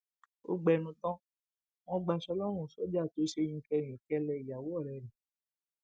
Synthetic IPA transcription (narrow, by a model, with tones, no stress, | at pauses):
o̰˦ɡ͡bɛ˧˨˧nũ˧tɔ̃˦ | w̃ɔ̃˦ɡ͡ba˧ʃɔ˧˦lɔ˦ɾ̃ũ˦˨sɔ˨˦d͡ʒa˦˨to˨˦ʃe˧j̃ĩ˧kɛ˧˨j̃ĩ˨kɛ˧lɛ˧i˨ja˨wo˨˦ɔ˦˨ɾɛ˨ɾĩ˨